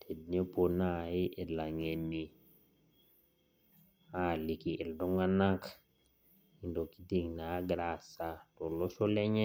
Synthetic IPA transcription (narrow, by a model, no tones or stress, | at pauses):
tʰedneponaiʔelaŋenːi | alikiʔeldoŋanak | indokitiŋnaɡɾasatolosoleɲɛ